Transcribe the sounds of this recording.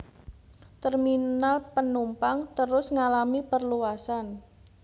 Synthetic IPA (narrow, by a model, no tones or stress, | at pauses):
t̪ərminalpənumpaŋt̪əɾʊsŋalamipərluasan